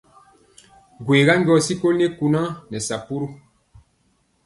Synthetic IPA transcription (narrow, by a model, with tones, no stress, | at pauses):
ɡweː˨ɡa˦ŋɡʲɔ˨si˦ko˦lne˦ku˧nã˦nɛ˨sa˨pu˦ɾu˦